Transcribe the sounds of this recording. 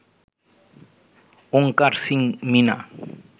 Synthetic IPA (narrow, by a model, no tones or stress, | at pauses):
oŋkaɾsiŋmina̰